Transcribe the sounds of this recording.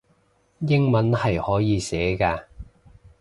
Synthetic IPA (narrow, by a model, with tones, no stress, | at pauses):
jɪ˥ŋmɐ˨˥nhɐ˨jhɔː˨˥jiː˨˧sɛː˨˥kaː˧